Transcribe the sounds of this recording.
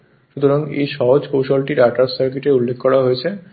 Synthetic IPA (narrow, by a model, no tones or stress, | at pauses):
ʃut̪oɾaŋḛjʃɔɦod͡ʑkowʃalʈiɾaʈassaɾkiʈeulːekʰːɔɾaɦojet͡ɕʰe